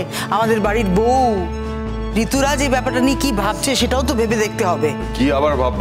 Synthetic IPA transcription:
amad̪eɾbaɽiɾbow | ɾit̪uɾad͡ʑebɛpaɾʈaniekibʱab̚t͡ɕʰeʃeʈaot̪̬obʱebed̪ek̚ʰt̪eɦɔbe | kiabaɾbʱab

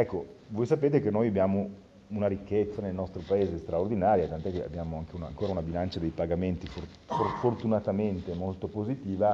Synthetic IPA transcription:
ɛkːovojsapeːt̪̬ekenːojabjaːmo | unaɾikːet̪sːanelnɔst̪ɾopaeːzest̪ɾaord̪inaːɾjat̪ant̪oɛkːea̰bːjaːmoaŋk̟euna̰ŋkoːɾaunabilant͡ʃad̪ejpaɡament̪ifor | forfort̪unat̪ament̪emolt̪opozit̪iːva

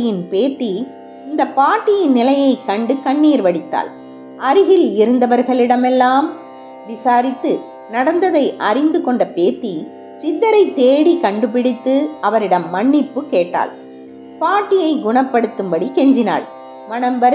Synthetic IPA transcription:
ɪjɪnpeːʈ̪ːi | ɪnd̪ɐpːaːʈːɪjɪnnɪlɐjɐɪkɐɳɖɯkɐɳːiːɾʋɐɽɪt̪ːa̰ːl | ɐɾɯɣɪlɪɾɯnd̪ɐʋɐɾɣɐɭɪɽɐmɛlːaːm | ʋɪsaːɾɪt̪ːɯ | nɐɽɐnd̪ɐðɐɪʔɐɾɪnd̪ɯkɔɳɖɐpeːʈːi | sɪðːɐɾɐɪt̪ːeːɽikɐɳɖɯpɪɽɪt̪ːɯɐʋɐɾɪɽɐmːɐɳːɪpːɯkeːʈːa̰ːl | paːʈːɪjɐɪɡʊɳɐpːɐɽɯt̪ːɯmbɐɽikɛɲd͡ʒɪna̰ːɭ | mɐnɐmʋɐɾ

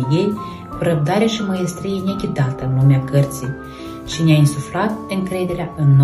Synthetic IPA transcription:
jej | kuɾəb̚d̪aɾeaʃiməjest̪ɾijenekʲid̪at̪əɨnlumeakərt̪sij | ʃineaɨnsufɾat̪ɨŋkɾe̞d̪e̞ɾʲeaʔɨnː

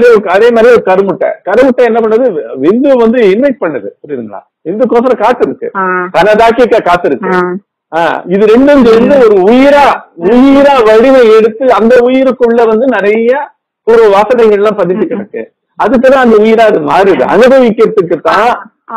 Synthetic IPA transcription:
ɾiɔkːɐðeːmaːd̪ɾiɔɾɯkɐɾɯmɯʈːɐ̰kɐɾɯmʊʈːɐ̃ɛnːɐp̬ɐɳːɐðɯʋɪnd̪ɯʋɐnd̪ɯɪnʋɛɪʈ̚pɐɳːɐðɯ̰pʊɽiɾɯŋɡɐɭa̰ː | ʋɪnd̪ɯkoːsɐɾɐ̃kaːt̪ːɯɾɯkːɯ̰kɐnɐðaːkɪɐkːɐkaːt̪ːɯɾɯkːɯ | a̰ːɪðɯɾɛɳɖɯnd͡ʒɯʋɐnd̪ɯɔɾɯʊjɪɾaːʊjɪɾaːʋɐɽɪmɐɛɽɯt̪ːɯɐnd̪ɐʊjɪɾɯkːɯɭːɐʋɐnd̪ɯnɪɾɐjɐ | pɔɾɯʋaːsɐnɐɪɣɐɭlːãːpɐðɪʈ̪ːɯkːɪɽɐkːɯ̰ | ɐðɯkːt̪ãːɐnd̪ɐʊjɪɾaːɐðɯma̰ːɾɯðɯ̰ʔɐ̰nɐðɯʋɪkːɐɾt̪ːɯkːɯt̪ːãː

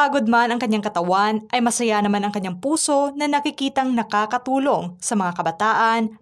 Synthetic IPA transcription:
ʔɐɡod̪̚manɐŋkɐɲːaŋkɐt̪ɐwanʔɐjmɐsɐjanɐmanɐŋkɐɲːaŋpuːso̞nɐnɐkɪkiːt̪ɐŋnɐkaːkɐt̪uːlo̞ŋsɐmɐŋakɐbɐt̪aːʔɐn

